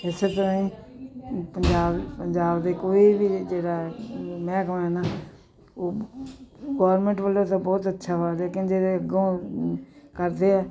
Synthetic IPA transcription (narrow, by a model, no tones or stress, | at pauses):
ɪseːt̪əɾãːĩː | pəd͡ʒaːbpəɲd͡ʒaːbd̪eːkoːiːbiːd͡ʒeːɽaːmɛ̃ːkə̃ɛːnaː | oː | ɡɔːɾmẽːɳʈʋəlːoːt̪ãːbɔːt̪ətːʃʰaːbaːleːkɪnd͡ʒeːɾeəɡõː | kəɾd̪eːɛː